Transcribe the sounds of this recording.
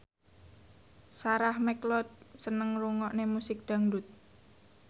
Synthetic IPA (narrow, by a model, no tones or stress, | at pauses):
saɾahmɛklɔd̪̚sənəŋruŋɔʔnemusɪk̚d̪̥a̤ŋdut̪̚